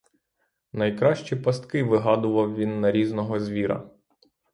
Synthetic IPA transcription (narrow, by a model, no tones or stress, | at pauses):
nɐjkɾɑʃt͡ʃipɐst̪kɪʋɪɦɑd̪ʊʋɐwʋʲinːɐɾʲiznɔɦɔzʲʋʲiɾɐ̰